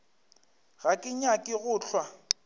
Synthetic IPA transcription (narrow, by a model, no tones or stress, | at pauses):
ɣakʼɪɲakʼɪɣʊːɬʰwa